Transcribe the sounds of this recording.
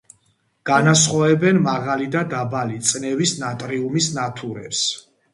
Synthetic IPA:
ɡ̥anasχɔɛbɛnmaʁalid̪ad̪abalit̪sʼnɛvisnat̪ʼɾiumisnat̪ʰuɾɛ̰ps

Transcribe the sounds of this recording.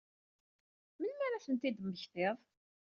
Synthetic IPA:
mənmæɾæθənt̪id̪mːəçθɪðˤ

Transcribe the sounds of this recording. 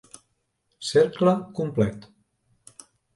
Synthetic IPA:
seɾkləkumplɛt̪

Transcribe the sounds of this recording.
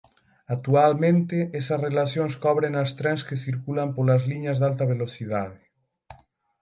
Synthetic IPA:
ak̚t̪ualmẽnt̪eɛsasrelaθjonskɔβ̞ɾenast̪ɾɛnskesθiɾkulampolazliɲazðalt̪aβeloθiðað̞e

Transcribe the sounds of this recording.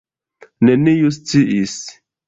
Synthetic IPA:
nenijus̬t͡siʔis

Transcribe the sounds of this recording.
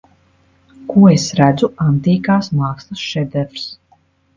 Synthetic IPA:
kuɔesɾæd̪zuant̪iːkaːsmaːkslɐsʃɛd̪ɛɾvs

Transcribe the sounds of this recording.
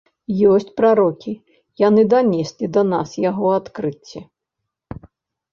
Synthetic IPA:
jɔsʲt͡sʲpɾaɾɔkʲi | janɨd̪anʲɛsʲlʲid̪ɐnasjaɣɔat̪kɾɨt͡sʲːɛ

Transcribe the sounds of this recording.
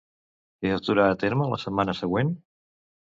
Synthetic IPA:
eət̪uɾaət̪eɾmələ̰səmːanəsəɣwen

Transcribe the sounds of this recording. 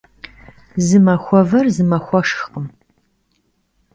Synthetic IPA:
zɨmɐxʷɔvɐrzɨmɐxʷɔʂqəm

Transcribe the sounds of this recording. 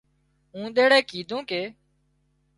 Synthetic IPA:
ũːɗ̪eːɽeːkiːd̪ʱõːkeː

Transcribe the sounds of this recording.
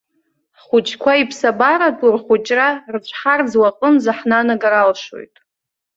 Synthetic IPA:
χʊt͡ʃʰʼkʷʰaipʰsabaɾatʰʼurχʷut͡ʃʼrart͡ʃʷʰħard͡zwaqʼənzaħnanaɡaɾalʂo̰jtʼ

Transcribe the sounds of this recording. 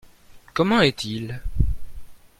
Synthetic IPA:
kɔmɑ̃ɛt̪ʰil

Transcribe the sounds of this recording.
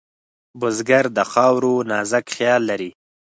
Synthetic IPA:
bʊzɡaɾd̪əxɑwɾonɑzakχjɑlːaɾi

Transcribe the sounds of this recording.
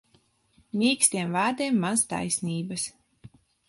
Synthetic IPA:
mʲiːksʲt̪ʲiɛmvaːɾd̪ʲiɛmːast̪a̰jsniːbɐs

